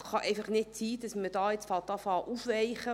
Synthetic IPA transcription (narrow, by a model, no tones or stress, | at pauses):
χɑʔɛɪfɑχnɪtt͡siːd̥ɑsmədɑːɪt͡sfɑlt̪ɑfɑːʔufvɛɪχə